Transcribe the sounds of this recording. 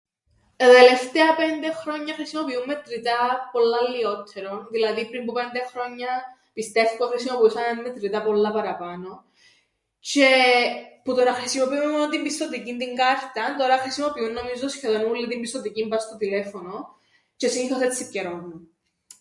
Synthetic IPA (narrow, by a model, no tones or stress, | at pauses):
t̪ɐt̪e̞le̞ft̪e̞ɐpe̞nd̪e̞xɾo̞ɲːɐxɾisimo̞piumːet̪ɾit̪ɐpo̞lːɐlːio̞t̪ʰːeɾonðilɐðipɾimbupe̞nd̪e̞xɾo̞ɲːɐ | pist̪e̞ft̪i̥koxɾisimo̞piusɐnenːet̪ɾit̪ɐpolːɐpɐɾɐpɐno̞ | ce̞put̪o̞nɐxɾisimopiumːemonot̪imbist̪ot̪icind̪iŋɡɐɾt̪ɐnt̪o̞ɾɐxɾisimo̞piunːo̞mizosçe̞ðonumulːit̪imbist̪ot̪icimbɐst̪ot̪ile̞fo̞no̞ | ce̞siniθoθetsipceɾomːu